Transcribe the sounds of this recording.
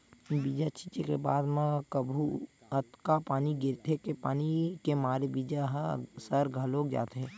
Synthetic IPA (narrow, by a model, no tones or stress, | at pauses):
bid͡ʒat͡ʃiːt͡ʃekebaːd̪mãkəbʱuət̪kapaːniɡɪɾt̪ʰekepaːnikemaːɾebid͡ʒaɦsəɾɡʱəloːkd͡ʒa̰ːt̪ɦɛː